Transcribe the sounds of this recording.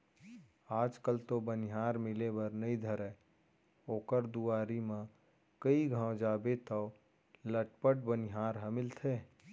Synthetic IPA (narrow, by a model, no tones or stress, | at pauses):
aːd͡ʒkəlt̪obənɪɦaːɾmɪlebəɾnəĩd̪ʱəɾɛ | oːkəɾd̪uaːɾimã | kəiɡʱãwd͡ʒaːbet̪ə | ləʈpəʈ̚bənɪɦaːɾɦə̃mɪlt̪ʰeː